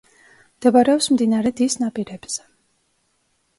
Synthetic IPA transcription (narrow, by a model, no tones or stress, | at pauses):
md̪̥ɛbaɾɛɔpsmd̪inaɾɛd̪isnapʼiɾɛb̥z̥ɛ̥